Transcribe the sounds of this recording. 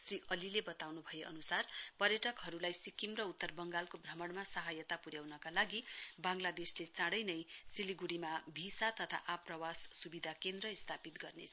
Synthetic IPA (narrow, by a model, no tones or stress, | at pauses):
sriʔʌlilebʌt̪awnubʱʌjeʔʌ̰nusarpʌrjʌʈʌkɦʌɾulajsikimrʌut̪ːʌrbʌŋɡalkobʱrʌmʌɽmasʌɦajʌt̪apuɾjawnʌkalaɡibãŋlad̪eslet͡sãɽʌjnʌjsiliɡuɽimabʱisat̪ʌt̪ʰa̰ʔaprʌwassubid̪ʱakend̪rʌist̪ʰapit̪ɡʌrnḛt͡sʰ